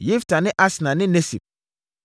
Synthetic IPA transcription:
ji˦fta˨nɪ̃˦ʔa˦snã˨nɪ̃˦ne˦si˨p̚

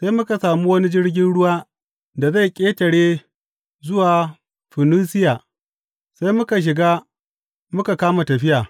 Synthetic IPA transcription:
sa˦jmʊ˦ka˨saː˨mu˦wɐ˦ni˦d͡ʒɪ˦ɽɡʲɪ˦nɽʊ˦waː˦ | da˨za˦˨jkʲʼeː˦tɐ˨ɽeː˦ | zʊ˦waː˨ | ɸɪ˨nuː˦sɪ˦jaː˨ | sa˦jmʊ˦ka˨ʃ̬ɪ˨ɡaː˦ | mʊ˦ka˨kaː˦ma˨tɐ˨ɸɪ˦jaː˨

